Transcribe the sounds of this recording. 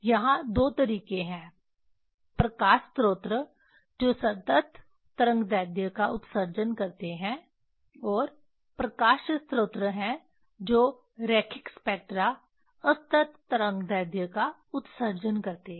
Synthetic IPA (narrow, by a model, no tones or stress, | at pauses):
jɐɦãd̪oːt̪ɐɾiːkẽɦɛ̃ː | pɾɐkaːʃt̪ɾoːt̪ɾə | d͡ʒoːsɐt̪ət̪ː | əɾə̃ŋɡd̪ɛːd̪jəkaʊt̪səɾd͡ʒənkɐɾt̪eɦɛ̃ | ɔːɾ | pɾɐkaːʃəst̪ɾoːt̪ɾəɦɛ̃ | d͡ʒoː | ɾɛːkʰɪkspɛːk̚ʈɾa | ɐst̪ət̪ːɐɾə̃ŋɡd̪ɛːd̪jəka | ʊt̪səɾd͡ʒənkɐɾt̪eɛ̃